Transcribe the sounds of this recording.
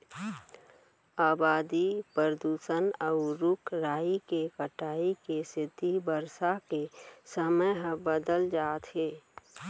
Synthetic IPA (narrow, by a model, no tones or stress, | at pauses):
aːbaːd̪ipəɾəd̪uːsənəʊɾʊkʰɾaːikekəʈaːikesɪt̪ibəɾsakesəməjɦə̃bəd̪əld͡ʒaːt̪ɦeː